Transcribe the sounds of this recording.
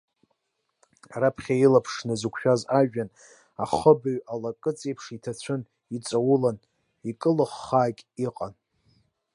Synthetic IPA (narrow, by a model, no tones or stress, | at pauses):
ɾapʰχʲailapʰʂnazɨkʷʰʃᶣazaʒᶣan | aχəbaɥalakʼɨt͡sʼejpʰʂitʰat͡sʷʰɨn | it͡sʷʼawʊlan | ikʼɨlɨχːaːkʲʼiqʼan